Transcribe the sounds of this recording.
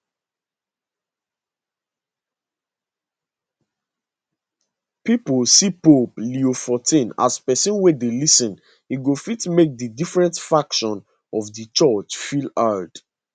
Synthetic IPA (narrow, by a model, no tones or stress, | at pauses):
pipəlsipopliofɔtʰĩna̰spɛsĩnwedelisɔ̃n | hiɡofitmek̚dədifɹɛ̃ntfakʃɔ̃n | ɔvdət͡ʃɔt͡ʃfilad